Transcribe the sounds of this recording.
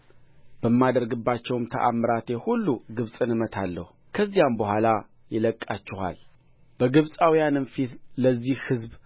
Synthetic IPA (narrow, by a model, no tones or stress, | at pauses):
b̥əmːad̪əɾɡɨbːat͡ʃːɛwmt̪ʰə̰ʔa̰mɨɾat̪ehulːuɡɨβsʼɨnɨmət̪ʰalːə̰hu | kʰəzːijambəhʷala | jɪləkʼːat͡ʃːɪha̰l | b̥əɡɨβsʼawijanɨnfit̪ləzːihhɨzb